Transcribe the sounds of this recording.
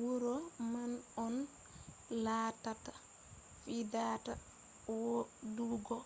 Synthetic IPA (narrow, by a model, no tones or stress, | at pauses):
wuɾɔmanɔn | laːtata | fidata | wɔduɡɔ